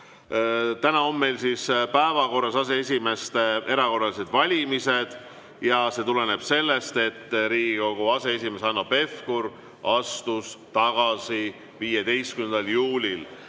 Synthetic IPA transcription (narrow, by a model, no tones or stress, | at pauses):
t̪ænɑo̞mːe̞jlsispæevɑko̞rːɑsɑse̞esʲime̞st̪ʔe̞ɾɑko̞rːɑlise̞d̪vɑlʲimise̞d̪̥ | jɑse̞t̪ule̞ne̞b̥se̞lːest̪e̞t̪ːɾiːɡ̥iko̞ɡ̥uɑse̞esime̞sɑnːope̞fkuɾ | ɑst̪ust̪ɑɡ̥ɑsi | viːjed̪e̞jst̪kymend̪ɑljuːlʲil